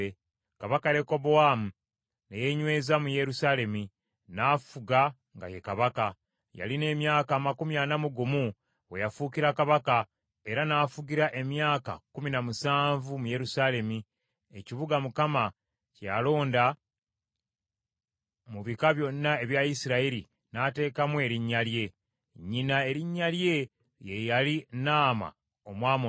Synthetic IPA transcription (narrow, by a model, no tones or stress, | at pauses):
e | kaβakaɾeko̞boamu | nejeɲwe̞ːzamuje̞ɾusaːle̞mi | naːfuɡa | ŋɡa̰je̞kaβaka | ja̰line̞ːmjaːkaːmakumjanamuɡumu | wejafuːciɾakaβaka | e̞ɾanaːfuɟiɾaʔe̞mjaːka̰kuminamusaːɱvumuje̞ɾusale̞mi | e̞ciβuɡamukama | calo̞ːnda | muβikaβjo̞nːae̞βjaisiɾaiɾi | nate̞ːkamwe̞ɾiɲːalje̞ | ɲːinae̞ɾiɲːalje̞ | jejalinaːma̰ | omwaːmo